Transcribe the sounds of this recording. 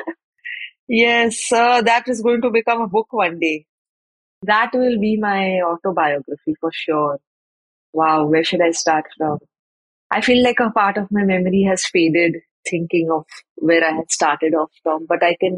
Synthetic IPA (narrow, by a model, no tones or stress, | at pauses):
jɛsd̪æʈɪzɡoːɪ̃ŋʈubɪkʌ̃məbʊkʋʌ̃nɖeː | d̪æʈʋɪlbimaɪɔːʈoːbaɪɔːɡɾəfifɔɾʃɔːɾ | ʋaʊʋeɾʃʊɖaɪsʈaːɾʈfɾɔ̃m | ʔaɪfiːlaɪkəpaːɾʈɔʋmaɪmɛməɾiɦæz̥feːɖɪɖ | t̪ʰɪ̃ŋkɪ̃ŋɔfʋɛɾaɪɦɛ̥sʈaːɾʈəɖɔfʈɔ̃mbʌʈaɪkɛ̃n